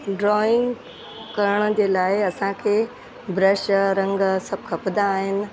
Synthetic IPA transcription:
ɖɾɔːɪ̃ŋɡ | kɐɾəɽ̃əd͡ʑeːlaːɪɐsãkʰeː | bʱɾəʃɾɐ̃ŋɡsɐb̚kʰɐpd̪aːɦɪnɪ̆

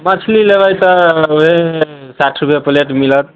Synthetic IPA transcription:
mat͡ʃʰlilebajt̪ɔoɦe | saʈʰɾupjepəleʈmilət̪̚

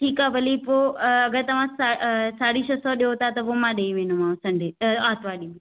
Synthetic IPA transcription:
ʈʰiːkabʱɐlipoɐɡəɾt̪ɐʋ̤ãsasaːɽiʃɐsɔɗeot̪at̪ɐpomãɗeiʋẽnomãsɐ̃ɳɖʱeaːt̪ʰʋaɗim̃

